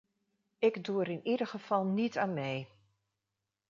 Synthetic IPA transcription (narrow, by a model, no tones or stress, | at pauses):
ɪɡduəɾɪnidəɣəfɑlˠnitʰaːnmɛj